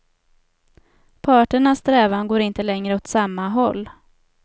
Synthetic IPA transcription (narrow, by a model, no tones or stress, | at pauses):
pʰɑːʈəɳast̪ɾɛːvanɡoːɾɪnt̪əlɛŋɾəɔt̪samːaɦɔlː